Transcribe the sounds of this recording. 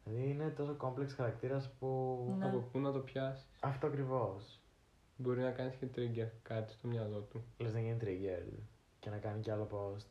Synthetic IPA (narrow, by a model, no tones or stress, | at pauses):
lɐðiine̞t̪o̞so̞ko̞mpleksxɐɾɐkt̪iɾɐspuɐkopunɐt̪o̞pçɐsi̥sɐft̪o̞ɐkɾivo̞s | bo̞ɾinɐkɐnisce̞t̪ɾiɟeɾkɐt̪i̥st̪o̞mɲɐlo̞t̪uleznɐʝinit̪ɾiɟḛɾ | ce̞nɐkɐniceɐlo̞po̞st̪